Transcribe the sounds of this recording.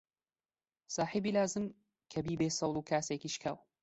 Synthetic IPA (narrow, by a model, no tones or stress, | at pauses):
saːħibiːlaːzɨm | kʰɐbiːbeːsɑwlˠuːkʰaːseːkiːʃkʰa̰ːw